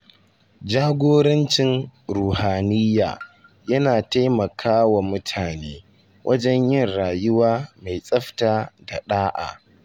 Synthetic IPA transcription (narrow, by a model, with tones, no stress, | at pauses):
d͡ʒaː˦ɡʷoː˦ɾɐ˦nt͡ʃɪ˦nɾuː˨haː˨nɪ˦jːa̰ː˨ | jɐ˦naː˨ta˦jmɐ˨kʰaː˦wa˨mʊ˦tʰaː˨neː˦ | wʔɐ˦d͡ʒɛ˦ɲjɪ˦˨nɽaː˨jʊ˦waː˦ma˨jsʼɐ˦ɸtaː˨da˨ɗaː˦ʔa̰˨